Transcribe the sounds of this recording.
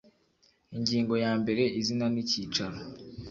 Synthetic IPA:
iɲɟiːŋɡo̞jaːmbe̞ɾe̞ʔizinaniciːt͡ʃaɾo

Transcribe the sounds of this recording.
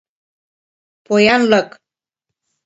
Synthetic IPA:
pojanlək

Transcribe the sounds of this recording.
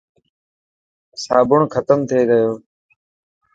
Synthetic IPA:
saːbʊɳkʰət̪əmt̪ʰeːɡəjoː

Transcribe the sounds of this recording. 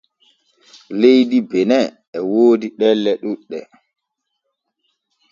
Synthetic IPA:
lejdibɛnɛ | ɛwoːdiɗɛlːɛɗuɗːɛ

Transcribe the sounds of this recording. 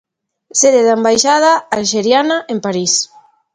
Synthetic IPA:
seðeðambajʃað̞aalʃeɾjanaʔempaɾis

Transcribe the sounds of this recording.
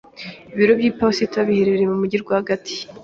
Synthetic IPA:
iβiɾo̞bɟiːpasitaβiheɾeɾemumuɟiɾɡwahaɡatʰi̥

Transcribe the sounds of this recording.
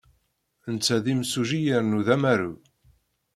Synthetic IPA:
ənt͡sːæðimsuʒijəɾnuðæmæɾu

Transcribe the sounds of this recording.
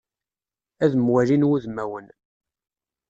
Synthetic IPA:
æðəmwælinwuðmːæwən

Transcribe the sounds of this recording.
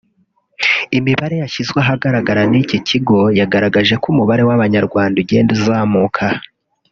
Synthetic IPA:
imiβaɾe̞jaʃizɡweɦaɡaɾaɡaɾaniciciɡo̞jaɡaɾaɡaʒe̞kumuβaɾe̞waβaɲaɾɡwaːnduɟe̞ːndizaːmukʰa

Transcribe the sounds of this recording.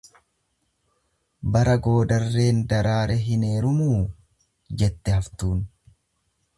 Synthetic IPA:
bɐɾɐɡo̞ːd̪ɐrːe̞ːnd̪ɐɾaːɾʔɛɦɪne̞ːɾʊmuː | d͡ʒɛt̪ːɛhɐft̪uːn

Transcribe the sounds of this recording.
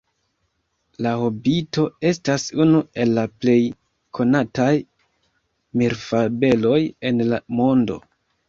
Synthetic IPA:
lahobito̞e̞stasunue̞lːaple̞j | kʰo̞nataj | miɾfabe̞lo̞je̞nlamo̞ndo̞̰

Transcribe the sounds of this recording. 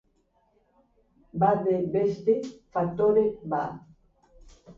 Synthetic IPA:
bad̪ebest̪efak̚t̪oɾeba

